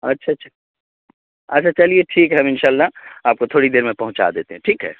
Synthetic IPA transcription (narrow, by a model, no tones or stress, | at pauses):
ɐtːʃʰaʃʰḁ | ɐtːt͡ʃʰat͡ʃɐlieʈʰiːkɦɛmɪnʃaːlːaaːp̚kot̪ʰoːɽid̪eːɾmẽpɐɦʊ̃t͡ʃa̰d̪eːt̪eɦɛ̃ʈʰiːkɦɛ̰ː